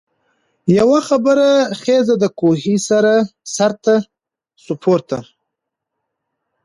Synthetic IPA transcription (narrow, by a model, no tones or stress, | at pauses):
jawaxabəɾaχezad̪əkohisaɾasaɾt̪a | sʊpʰoɾt̪a̰